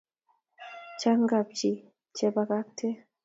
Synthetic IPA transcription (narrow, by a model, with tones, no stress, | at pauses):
t͡ʃa˦ŋɡa˨p̚t͡ʃi˨ | t͡ʃɛ˦ba˨ka˦k̚tʰɛ˦